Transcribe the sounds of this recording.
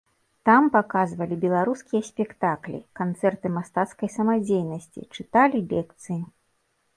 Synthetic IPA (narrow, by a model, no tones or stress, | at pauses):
t̪ampakazvɐlʲibʲɛlˠaɾuskʲijɐsʲpʲɛkt̪aklʲḭkant̪sɛrt̪ɨmast̪at̪skɐjsɐmad͡zʲejnɐsʲt͡sʲḭt͡ʂɨt̪alʲibʲɛkt̪sɨji